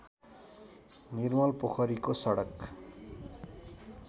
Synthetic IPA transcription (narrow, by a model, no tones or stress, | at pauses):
nirmʌlpokʰʌɾikosʌɽʌk